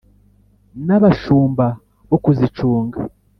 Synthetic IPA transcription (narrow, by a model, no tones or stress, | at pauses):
naβaʃuːmba | βokuzit͡ʃuːŋɡa̰